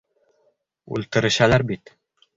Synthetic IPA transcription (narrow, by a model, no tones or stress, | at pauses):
ʉ̰lt̪ɘ̆ɾɘ̆ʃælæɾbit̪